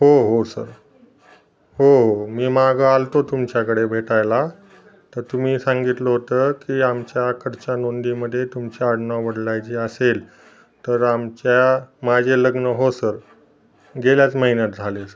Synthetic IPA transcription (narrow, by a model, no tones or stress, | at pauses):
ɦoɦosəɾ | hoɦomiːmaɡəalt̪ot̪umt͡ɕjakəɽebʱeʈajla | t̪əɾt̪um̤iːsãŋɡit̪ləɦot̪əːkiːamt͡ɕjakʰəɾt͡ɕanond̪iməd̪ʱːjet̪umt͡ɕjaəɽɳaʋəɽlajt͡ɕiːəsel | t̪əɾamt͡ɕjamad͡ʑʱeləɡnəɦosəɾ | ɡeljat͡sməɦinjat̪̚d͡zʱalesəɾ